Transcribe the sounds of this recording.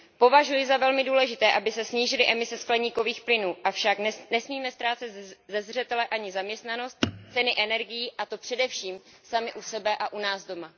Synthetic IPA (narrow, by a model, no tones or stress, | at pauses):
po̞vaʒujɪzavɛlmɪduːlɛʒɪt̪ɛːʔabɪsɛsɲiːʒɪlɪʔɛmɪsɛsklɛɲiːko̞viːxplɪnuːʔafʃaknnɛsmiːmɛst̪ɾaːt͡sɛt̪zɛzr̝ɛt̪ɛlɛʔaɲɪzamɲɛst̪nano̞st̪t͡sɛnɪʔɛnɛɾɡɪjiːʔat̪o̞pr̥ɛdɛfʃiːmsamɪʔusɛbɛʔaʔunaːzdo̞ma